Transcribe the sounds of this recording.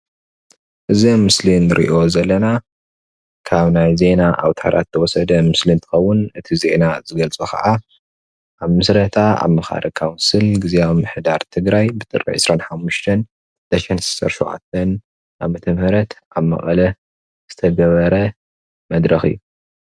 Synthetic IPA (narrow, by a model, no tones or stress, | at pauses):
ʔɨzimːɨslinɨɾʔḭʔo̞zɐlːɐna | kʰaβnajze̞naʔa̰wt̪ʰa̰ɾʔa̰t̪t̪ʰːɐwɔsɐd̪ɐmɨslint̪ʰɨ̥xɐwːʊnɨt̪ʰize̞nazɨɡɐlt͡sʼukʰɐ̰ʔa | ʔaβmɨsɾɐt̪ʰaa̰βmɐxa̰ɾʔɐkʰawnsɨlɡɨziamɨħd̪aɾt̪ʰɨɡɾajbɨt̪ʼɨɾḭʕɨ̰sɾanħamːuʃt̪ʰɐn | d̪̥ɐʃɐnsɨ̥sɐ̰ɾʃoʕa̰t̪ʰːɐn | ʔaβmɐt̪ʰɐmhɐɾɐt̪ʔaβmɐ̰χʼɐ̰lɐ | z̥ɨt̪ʰɐɡɐβɐɾɐ | mɐd̪ɾɐxɨ̰jːu